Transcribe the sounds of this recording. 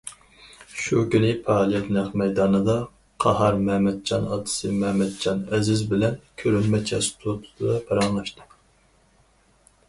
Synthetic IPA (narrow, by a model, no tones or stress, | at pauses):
ʃukʲynɪpʰɑːlˠijɛt̪nɛχmɛjd̪ɑːnɨd̪ɑ | qʰɑhɑɾmɛmɛd̪̚d͡ʒɑnɑ̰t̪ʰɨ̥sɨmɛmɛd̪̚d͡ʒɑnɛzɪzbɪlɛnkʲʰøɾynmɛt͡ʃʰɛst̪ʰot̪ʰu̥t̪ʰɨd̪ɑbɑɾɑŋlˠɑʃt̪ɨ